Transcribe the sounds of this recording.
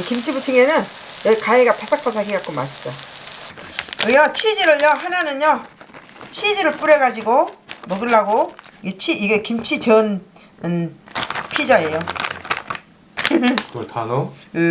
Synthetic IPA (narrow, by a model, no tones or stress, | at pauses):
kimt͡ɕʰibut͡ɕʰɯŋenɯn | jʌikaeɡapas͈ʰak̚p͈ʰas̬ʰaɡiɡak͈̚oma̰ɕʰi̥s͈ʌ | ɯjʌt͡ɕʰid͡ʑiɾɯɭjʌɦananɯnjʌ | t͡ɕʰid͡ʑiɾɯɭp͈uɾeɡad͡ʑiɡomʌɡɯɭːaɡoiɡet͡ɕʰiʔiɡekimt͡ɕʰit͡ɕʌnɯn | pʰid͡ʑae̞jo | kɯtʰano